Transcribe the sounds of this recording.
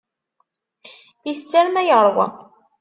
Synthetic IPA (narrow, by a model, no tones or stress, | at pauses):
iθt͡sːæɾmæjəʁɾˤwæ̰